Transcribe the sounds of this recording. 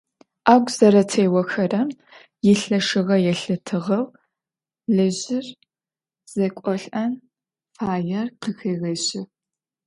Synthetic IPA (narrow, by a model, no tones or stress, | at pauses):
aːɡʷzɐɾɐtʰeːwɐxɐrɐm | jɪɬɐʂɨʁɐjɛɬɨtʰɨʁɐw | ɮɨʑɪr | z̥ɐkʷʼɔɬʼɐn | faːjɐrqəxeːɣɐɕɪ